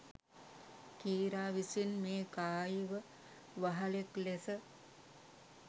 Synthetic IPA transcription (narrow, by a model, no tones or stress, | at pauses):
kiːɾaːʋisinmeːkaːjiʋə | ʋaɦaleklesə